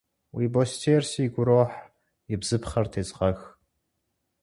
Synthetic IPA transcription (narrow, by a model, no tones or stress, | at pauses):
wiːbostʰeːrsiːɡʷʊɾoːħ | jɪbz̥ɨpχɐrtʰeːzʼʁɐx